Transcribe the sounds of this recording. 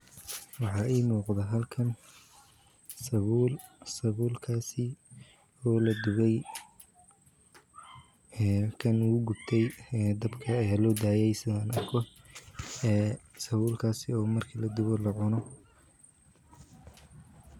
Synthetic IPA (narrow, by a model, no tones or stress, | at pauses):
wɑħɑːʔiːmuːqd̪ɛɦɐlkʰɐn | sɐβuːlsɐβuːlkʰaːsɪ | ɔːlɐd̪ʊβɛj | kʰɐnuɡʊbt̪ʰɛjd̪ɐbkʰɐːjaːlɔːd̪aːjɛjsɪðɐaːnɐrkʰɔ | sɐβuːlkʰaːsɪɔːmɐrkʰɐlɐd̪ʊβɔlɐʕʊnɔ